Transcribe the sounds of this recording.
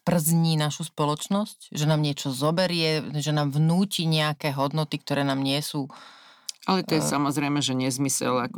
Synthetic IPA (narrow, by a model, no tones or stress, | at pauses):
pr̩zɲiːnaʃuspɔlɔt͡ʃnɔscʒɛnaːmɲɪɛt͡ʃɔzɔbɛɾɪɛʒɛnaːmvnuːciɲɛakɛɦɔd̪nɔt̪ik̚t̪ɔɾɛːnaːmɲɪɛsuː | alɛt̪ɔjɛsamɔzɾɛɪmɛʒɛɲɛzmisɛ̰lakɔ